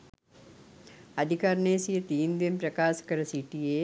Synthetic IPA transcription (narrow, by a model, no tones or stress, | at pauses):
ɐd̪ʱɪkaːɾneːsiet̪iːnd̪inpɾɐkaːʃkɐɾɐsiʈie